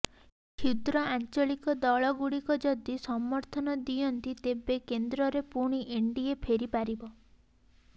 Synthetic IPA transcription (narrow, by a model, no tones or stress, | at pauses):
kʰid̪ɾɔant͡ʃɔɭikɔd̪ɔɭɔɡuɽikɔd͡ʒɔd̪isɔmːɔɾt̪ʰɔnɔd̪ijɔnt̪it̪ebekend̪ɾɔɾepuɽ̃iʔeɳɖiepʰeɾipaɾibɔ